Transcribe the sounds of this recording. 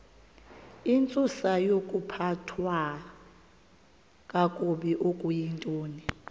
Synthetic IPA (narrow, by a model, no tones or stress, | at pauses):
int͡sʼusajokʼupʰatʰwa | kʼakʼuɓiʔokʼujintʼoːni